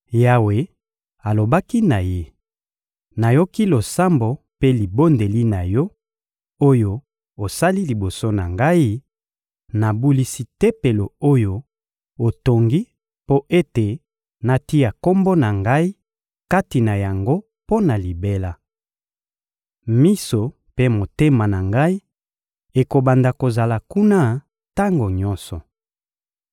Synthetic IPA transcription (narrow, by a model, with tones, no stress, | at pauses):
ja˦we˨ | a˨lo˨ba˦ki˦na˨je˦ | na˨jo˦ki˦lo˨sa˦mbo˨ | pe˦li˨bo˦nde˨li˦na˨jɔ˦ | o˦jo˦ | o˨sa˦li˦li˨bo˨so˦na˨ŋɡa˦i˦ | na˨bu˦li˦si˦tɛ˦pe˨lo˨o˦jo˦ | o˨to˨ŋɡi˦ | po˦ʔe˦te˨ | na˨ti˦ja˨ko˦mbo˦na˨ŋɡa˦i˦ | ka˦ti˨na˨ja˨ŋɡo˦ | po˦na˨li˨be˦la˦ | mi˦so˨ | pe˦mo˨te˦ma˨na˨ŋɡa˦i˦ | e˨ko˨ba˨nda˨ko˨za˨la˨ku˦na˦ | ta˦ŋɡo˨ɲɔ˦nsɔ˨